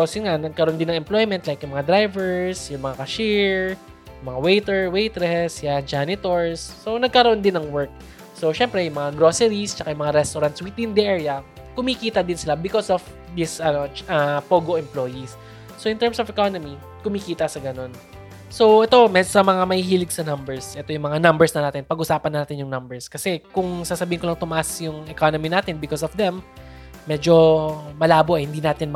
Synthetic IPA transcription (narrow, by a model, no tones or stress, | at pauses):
posjʊnŋanɐɡ̚kɐɾnd̪ɪnɐŋɛmplo̞jmɛnt̪lajkjʊŋmɐŋad̪ɾajvɛɹsjʊŋmɐŋakɐʃiɹ | jʊmɐŋawejt̪ɛɹwejt̪ɾɛsjad͡ʒanɪt̪oɹsːo̞nɐɡ̚kɐɾɐʔond̪ɪnːɐŋwɛɹk̚ | so̞ʃɛmpɾɛjʊŋmɐŋaɡɾosɛɾist͡ʃɐkajʊ̃mɐŋaɾɛst̪oɾɐnt̪swit̪ɪnd̪ɛʔɛɹjɐ | kʊmikiːt̪ɐd̪ɪnsɪlabɪkosɔv | d̪ɪsʔɐnoʔɐpoːɡoʔɛmplojis | soʔɪnt̪ɛɹmsofɛkonomi | kʊmikiːt̪ɐsɐɡɐno̞n | so̞ʔɛt̪o̞mɛsɐmɐŋamɐhihiːlɪɡ̚sɐnɐmbɛɹsʔɛt̪o̞jʊŋmɐŋanɐmbɛɹsnɐnaːt̪ɪnpɐɡʔʊsaːpɐnaːt̪ɪnjʊŋnɐmbɛɹskɐsɛkʊŋsaːsɐbiːhnkolɐŋt̪ʊmɐʔasjʊŋʔɛkonominaːt̪ɪnbɪkosɔfd̪ɛmː | ɛd͡ʒo̞mɐlaːboʔɛhɪnd̪iːnaːt̪ɪn